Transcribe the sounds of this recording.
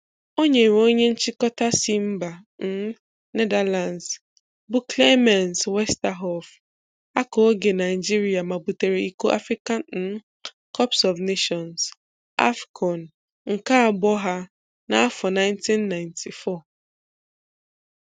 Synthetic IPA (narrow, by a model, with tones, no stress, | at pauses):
o˦ɲe˨i˨wo˦ɲe˦n̩˦t͡ʃi˦kɔ˦ta˦si˦m̩˦ba˨n̩˦ | ne˦da˨la˨ns | bʊ˦kle˦ma˨nswɛ˦sta˦ɦɔ˨f | a˦ko˨˦ɡe˨na˨ɪ˨d͡ʒi˦ɾi˨a˨ma˨bu˨te˨ɾe˨i˦ko˦ʔa̰˦fɾi˦ka˦n̩˦ | kɔ˦psɔ˨vne˦ʃɔ˨ns | a̰˦fkʰɔ˨n | ŋ̩˨ka˦a˨bɔ˦ɦa˦ | na˦a˦fɔ˨na˦ɪ˦n˦ti˦nːa˨ɪ˨ntʰi˨fɔ˦˨